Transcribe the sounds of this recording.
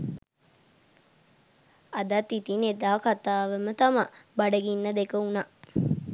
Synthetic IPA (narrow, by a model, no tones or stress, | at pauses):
ɐd̪ɐt̪ːit̪ined̪aːkat̪aːʋɐmət̪ɐmɐbɐɖɐɡinːɐd̪ekəuna